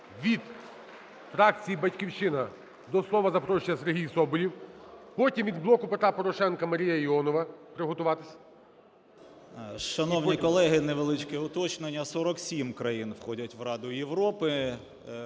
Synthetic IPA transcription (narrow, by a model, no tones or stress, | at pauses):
ʋʲid̪ | fɾɑkt͡sʲijibɐtʲkʲiwt͡ʃɪnɐ | d̪ɔslˠɔʋɐzɐpɾɔʃt͡ʃɪjɐseɾɦʲijsɔbʊlʲiwpɔtʲimʋʲid̪blˠɔkʊpet̪ɾapɔɾɔʃɛnkɐmɐɾʲijɐiɔnɔʋɐpɾɪɦɔt̪ʊʋɑt̪ɪsʲɐ̥ | ʃɐnɔwnʲikɔlˠɛɦɪneʋelˠɪt͡ʃkɛʊt̪ɔt͡ʃnenʲːɐsɔɾɔksʲimkɾɐjinwxɔdʲɐtʲʋrɑd̪ʊjeʋɾɔpɪ